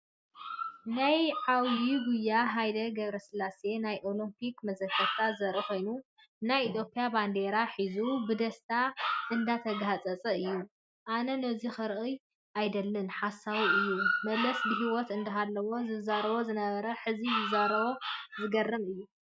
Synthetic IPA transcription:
najʕawdiɡujːaɦajd̪ɐɡɐβɾɐsɨlːasenajʔo̞limpʰikmɐzɐkʰːɐt̪ʰːazɐɾʔixo̞jnu | najit̪ʰjo̞pʰʼijaband̪e̞ɾaħizubɨd̪ɐst̪ʰaʔɨnd̪at̪ʰɐɡhat͡sʼɐt͡sʼɐɨjːu | ʔanɐnɐzixɨɾʔɨj | ʔajd̪ɐlːɨnħasːaβiɨjːumɐlɐsbɨɦiwɔt̪ɨnd̪ɐɦalːɐwo̞zɨzaɾɐβo̞zɨnɐβɐɾɐħɨzizɨzaɾɐβo̞zɨɡɐrːɨmɨjːu

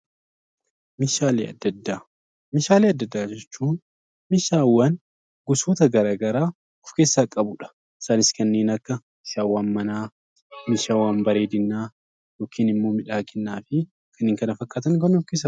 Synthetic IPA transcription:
mɪʃaːleːɐ̰d̪ːɐd̪ːaː | mɪʃaːleːɐd̪ːɐd̪ːaːd͡ʒɛt͡ʃːuːn | mɪʃaːwːaːn | ɡʊsoːt̪ɐɡɐɾaːɡɐɾaː | ɔfke̞ːsːaːkʼɐbʊᶑɐ̥ | ɪ̥saːnɪskɐnːe̞ːnɐkːɐ | mɪʃaːwːaːnmɐnaː | mɪʃaːwaːnbɐɾeːd̪ɪnːaː | joːkʰiːnɪmːo̞ːmɪᶑaːɡɛnːaːfɪ | kʰɐnːeːŋkɐnɐfɐkʼːaːt̪ɐŋkɐnːɔfkeːs̬ːa

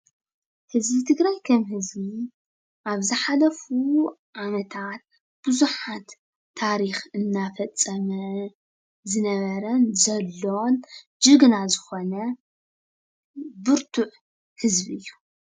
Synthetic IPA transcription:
hɨzbit̪ʰɨɡɾajkʰɐmhɨzbi | ʔaβzɨħalɐfuʕamɐt̪ʰat̪̚ | b̥ɨzuħat̪ʰː | aɾixɨnːafɐt͡sʼːɐmɐ | zɨnɐβɐɾɐnzɐlːon | d͡ʒɨɡnazɨxo̞nɐ | bɨɾt̪ʰuʕ | hɨzbiɨjːu

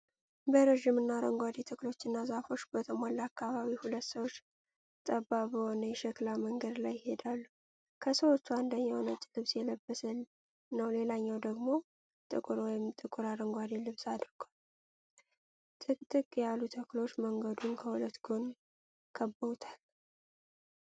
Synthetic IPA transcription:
bəɾəʒimɨnːaɾəŋɡʷad̪et̪ʰɨkʼlo̞t͡ʃːɪnːazafo̞t͡ʃːbət̪ʰəmolːakʰːaβaβihulət̪ːsəwo̞t͡ʃː | t̪ʼəbːabəho̞nəjɛʃɛklaməŋɡəd̪lajɪhe̞d̪alːu | kʰəsəwo̞t͡ʃːuand̪əɲːawnət͡ʃʼːlɨβsjɛləbːəsə | nəwle̞laɲːawd̪əɡmo̞ | t̪ʼɨkʼʊɾwɔjɪmt̪ʼɨkʼuɾaɾəŋɡʷad̪ilɨβsad̪ɾɡ̥al | ɨt̪ʼɨkʼːjalːut̪ʰəklo̞t͡ʃːməŋɡəd̪unkʰəhulət̪ːɡon | kʰəbːəwut̪ʰal

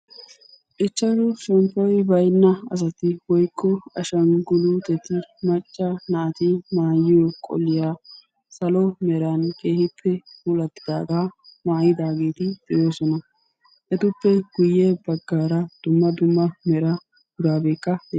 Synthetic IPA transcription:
ʔɪt͡ʃːɐɾʊʃɛmpʼːɔjbɐjnːɐɐ̰s̬ɐt̪ɪwɔjkʰʼːɔɐʃɐnɡʊluːt̪ɛt̪ɪmɐt͡ʃʼːɐnɐʔɐt̪ɪmaːjɪjokʼɔ̰lːɪjaː | sɐlɔmɛɾɐnkʼe̞ːhɪpʰːɛfuːlɐt̪ːɪ̥d̪a̰ːɡaːmaːjɪd̪aːɡeːt̪ɪd̪ɛjo̞ːsɔnɐ | ʔɛt̪ʊpːɛɡ̥ʊjːebɐɡːaːɾɐd̪̥ʊmːɐd̪ʊmːɐmɛɾɐ | ɡʊɾaːbe̞ːkːɐd̪e

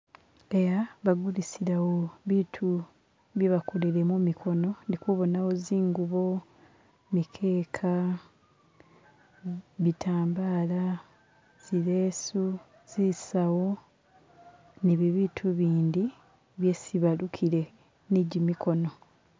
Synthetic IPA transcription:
e̞jaβaɡulisiɾawo̞βiːtʰu | βjeβakoleɾe̞mumikʰo̞no̞nikuβo̞nawo̞ziːŋɡuβo̞ | mikʰe̞ːkʰa | βitʰaːmbaːla | z̥iɾeːsu | z̥isawo̞ | niβiβiːtʰuβiːnd̪i | βje̞siβalukʰiɾe̞ | neɟimikʰo̞no̞

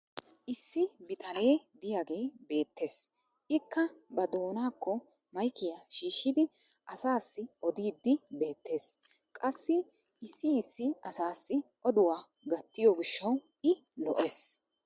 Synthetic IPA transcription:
ʔɪsːɪbɪt̪ɐne̞ːd̪ɪjaːɡe̞ːbe̞ːt̪ːe̞ːs | ʔɪkːɐbɐd̪o̞ːnaːkːɔ | mɐjkɪjɐʃiːʃːɪd̪ɪ | ʔɐsaːsːɪʔɔd̪iːd̪ːɪbe̞ːt̪ːe̞ːs | kʼɐsːɪ | ɪsːɪɪsːɪɐsaːsːɪʔɔd̪ʊwaː | ɡɐt̪ːɪjɔɡɪʃːɐw | ɪ | lɔ̰ʔes

